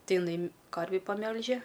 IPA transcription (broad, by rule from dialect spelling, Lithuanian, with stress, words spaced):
ˈtɐɪ ɪˈnɐɪ ˈkɐrʲʋʲiː pɐˈmʲɛlʲʒʲɛ